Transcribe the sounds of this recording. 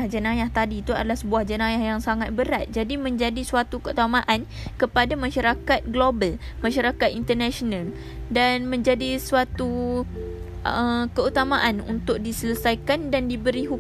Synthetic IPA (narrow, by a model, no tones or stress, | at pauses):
ahd͡ʒənãjaht̪adit̪ua̰dalahsəbuahd͡ʒənãjahjaŋsaŋat̪̚bəɾat̪̚d͡ʒadimə̃ɲd͡ʒadisuat̪ukəut̪amaʔan | kəpadamãʃaɾakat̪̚ɡlobal | mãʃaɾakat̪int̪ənaʃonal | danmə̃ɲd͡ʒadisuat̪u | ʔəkəut̪amaʔanṵnt̪ʊk̚disələsajkandandibəɾiɦu